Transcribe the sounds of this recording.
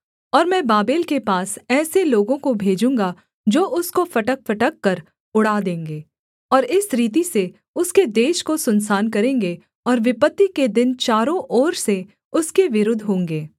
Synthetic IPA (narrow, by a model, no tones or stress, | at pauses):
ɔːɾmɛ̃ːbaːbeːlkepaːsɛːseloːɡõkobʱeːd͡ʒũːŋɡa | d͡ʒoːʔʊskofɐʈək̚fɐʈəkːɐɾ | ʊɽaːd̪ẽːŋɡeː | ɔːɾɪsɾiːt̪̬ise | ʊsked̪eːʃkosʊnsaːnkɐɾẽːŋɡe | ɔːɾʋɪpət̪ːiked̪ɪnt͡ʃaːɾõʔɔːɾse | ʊskeʋɪɾʊd̪ʱɦõːŋɡeː